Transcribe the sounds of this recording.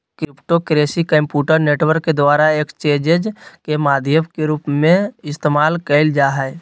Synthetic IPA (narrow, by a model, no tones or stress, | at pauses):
kɾɪpʈokɾeːsikə̃mpjuːʈəɾneːʈwəɾkːed̪waːɾaeːkt͡ʃẽːd͡ʒed͡ʒkemaːd̪ʱjəmkeɾuːpmẽɪst̪eːmaːlkəɪld͡ʒaːɦɛ